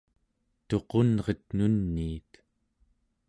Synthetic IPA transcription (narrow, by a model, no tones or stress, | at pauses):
t̪o̞qo̞nʁʌt̪nunːiːt̪